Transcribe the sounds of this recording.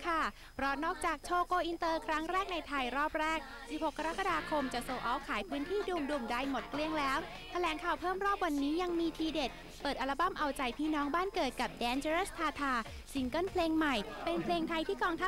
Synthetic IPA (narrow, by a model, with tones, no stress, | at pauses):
kʰa˥˩ | pʰɾɔ˦˥nɔː˥˩k̚t͡ɕaː˨˩k̚t͡ɕʰoː˧koː˧ʔi˧nt̪ɤː˧kʰɾa˦˥ŋɾɛː˥˩k̚na˧jt̪ʰa˧jɾɔː˥˩p̚ɾɛː˥˩k̚ | si˨˩p̚ho˨˩kʰːa˧ɾa˦˥kːa˧daː˧kʰo˧mt͡ɕa˨˩soː˧ʔɔː˦˥wkʰaː˩˦jpʰɯː˦˥nt̪ʰiː˥˩duː˧mduː˧˩mda˧˩jmo˨˩t̪̚kli˧əŋlɛː˦˥w | t̪ʰa˧lɛː˩˦ŋkʰaː˨˩wpʰɤː˥˩mɾɔː˥˩p̚wa˧nːiː˦˥ja˧ŋmiː˧t̪ʰiː˧de˨˩t̪̚ | pɤː˨˩t̪̚ʔa˧la˧ba˥˩mʔa˧wt͡ɕa˧jpʰiː˥˩nɔː˦˥ŋbaː˥˩nkɤː˨˩t̪̚ka˨˩p̚dɛː˨˧˥nt͡ɕe˧ɾeː˦˥˩st̪ʰaː˧t̪ʰaː˧ | si˩˦ŋkɤ˥˩npʰleː˧ŋma˨˩jpe˧npʰleː˧ŋt̪ʰa˧jt̪ʰiː˥˩kɔː˧ŋt̪ʰa˦˥